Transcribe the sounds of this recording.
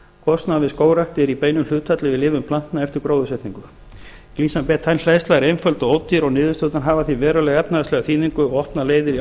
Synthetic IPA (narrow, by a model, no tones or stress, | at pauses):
kʰɔst̪naðvɪðskoːwrakt̪ɪɾipeːjnʏml̥ʏːt̪ʰat̪lɪvɪðlɪːvʏmpʰlan̥t̪naɛft̪ɪɾkɾoːwðʏsɛht̪niŋkʏ | kliːsampɛt̪ʰːajnslɛjst̪aɾenfœlt̪ɔɣowt̪ːiɾɔɣnɪːðʏst̪œwt̪anɦaːvaθivɛːɾʏlɛɣɛpnaɛst̪lɛɣaθiːðiŋkʏɔɣɔhpnaleːjðɪɾi